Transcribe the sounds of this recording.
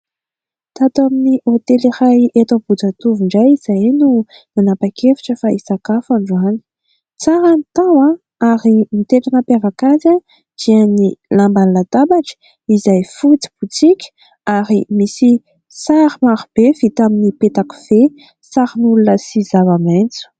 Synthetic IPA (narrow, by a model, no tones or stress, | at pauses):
t̪at̪aminiʔot̪eliɾajet̪õbud͡zat̪uvuɳɖ͡ʐajiz̥ajnu | nanapakʰefi̥ʈ͡ʂəfaisakafaɳɖ͡ʐuani̥ | t͡saɾanit̪awa | aɾimit̪eʈ͡ʂanəpavakaza | d͡ʒ̪̥iənilambanlad̪abaʈ͡ʂə̥ | izajfut͡si̥b̥ut͡sikʲə̥ | aɾimisi | saɾimaɾub̥evit̪aminipet̪aku̥v̥e | saɾinulunəsizavament͡su̥